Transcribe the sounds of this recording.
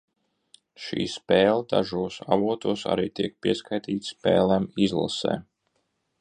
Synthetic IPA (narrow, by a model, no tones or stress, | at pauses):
ʃḭːspɛːlˠd̪aʒuɔsavuɔt̪uɔsa̰ɾiːt̪iɛk̚piɛskʰajt̪iːt̪sspɛ̰ːlˠɛmizlˠa̰sɛ̰ː